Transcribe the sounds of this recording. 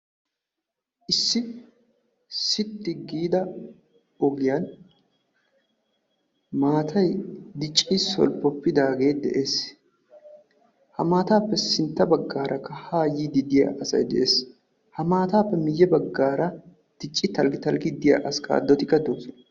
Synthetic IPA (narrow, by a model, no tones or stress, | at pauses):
ʔɪsːɪ | sɪt̪ːɪɡiːd̪ɐ | ɔɡɪjan | maːt̪ʰɐjd̪ɪt͡ʃʼːiːsɔ̰lpːɔpːɪd̪aːɡe̞ːd̪ɛ̰ʔe̞ːs | hɐmaːt̪aːpːɛsɪnt̪ːɐbɐɡːaːɾʔɐkːɐhaːjiːd̪ɪd̪ɪjɐ̰ʔɐsɐ̰jd̪ɛʔeːs | hɐmaːt̪aːpːɛmɪjːɛbɐɡːaːɾɐ | t̪ɪt͡ʃʼːɪt̪ɐlɡɪt̪ɐlɡɪd̪ɪja̰ʔɐskʼa̰ːd̪ːɔt̪ɪkːɐd̪oːsɔn